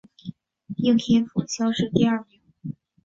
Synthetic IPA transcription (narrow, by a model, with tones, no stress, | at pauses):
ji˥˧˩ŋt̪ʰjɛ˥nfu˨˩ɕjɑ˥ʊʂɻ̩˥˧t̪i˥˧a˥˩mi˧˥ŋ